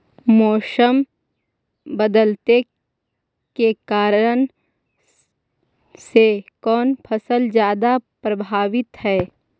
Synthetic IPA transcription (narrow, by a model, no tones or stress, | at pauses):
mɔːʃəm | bəd̪əlt̪e | kekaːɾən | sekɔːnpʰəsəld͡ʒjaːd̪apɾɐbʱaːʋɪt̪ɦɛː